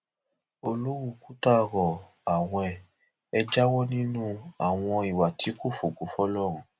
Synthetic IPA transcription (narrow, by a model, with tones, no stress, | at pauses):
o˧lu˦wu˦˧˨ku˦ta˦˧ɾɔ˨ | a˨w̃ɔ̃˧ɛ˧˨ | ɛ˧d͡ʒa˦wɔ˦nĩ˦nũ˦a̰˨w̃ɔ̃˧i˨wa˨tʰi˨˦ko˦˨fo˨ɡo˨˦fɔ˦lɔ˦˨ɾ̃ɔ̃˨˦